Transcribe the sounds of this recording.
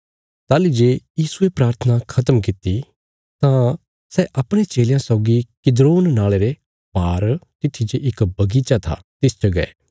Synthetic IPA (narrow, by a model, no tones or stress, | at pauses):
t̪aːlid͡ʒeːjiːsuepɾaːɾt̪ʰənakʰɐt̪əmk̬ɪt̪i | t̪ã | sɛʔɐpɽ̃et͡ʃeːljãsɔʊɡikɪd̪ɾoːnnaːɭeɾe | baːɾt̪ɪt̪ʰːid͡ʒeʔɪkbɐɡiːt͡ʃat̪ʰa̰t̪ɪst͡ʃɐɡɐḛː